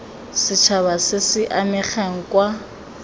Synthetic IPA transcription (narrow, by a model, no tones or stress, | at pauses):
sɪt͡ʃʰaβasɪsɪʔamɪχɛŋ̩kwa